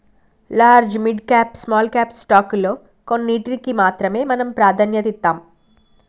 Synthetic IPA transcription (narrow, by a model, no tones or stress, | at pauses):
laːɾd͡ʒmiɖkaːpsmaːlkaːpsʈaːkloː | konːiːʈɾikimaːt̪ɾɐme̞ːmɐnɐmpɾaːd̪ʱanjɐt̪it̪ːaːm